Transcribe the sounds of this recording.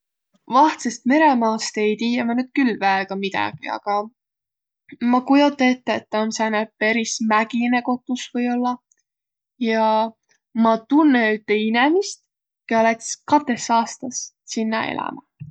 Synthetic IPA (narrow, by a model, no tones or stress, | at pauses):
vɑht̪sest̪me̞ɾe̞mɑːst̪ejt̪iːemɑnyːd̪̥̚kylːvæeɡ̥ɑmid̪̥ɑ̰ɡ̥ḭɑ̰ɡ̥ɑ | mɑkujot̪ːˑet̪ˑːeet̪ːɑmsænæpe̞ɾismæɡ̥ine̞ko̞t̪ːˑusvɤjo̞lːɑ | jɑ | mɑt̪unːeyt̪ːeinemist̪ | keɑlet̪skɑt̪ːe̞sɑːst̪ɑs | sinːɑ̰ḛlɑ̰mɑ